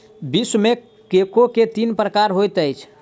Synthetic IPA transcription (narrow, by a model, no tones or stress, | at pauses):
bisme | kekoket̪inpɾəkaɾɦojt̪əjt͡ʃʰ